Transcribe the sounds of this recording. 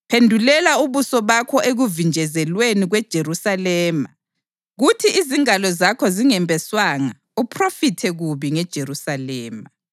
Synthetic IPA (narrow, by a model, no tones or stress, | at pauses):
pʰendʱulɛlauβusɔβakʰɔʔeɣuvind͡ʒʱɛzɛlweniɣwɛd̥ʒ̥ʱeɾusalɛːma | ɣutʰiʔiziŋalɔzakʰɔziŋɛmbʱɛswaŋa | upʰrofitʰɛɣuβiŋɛd̥ʒ̥ʱeɾusalɛːma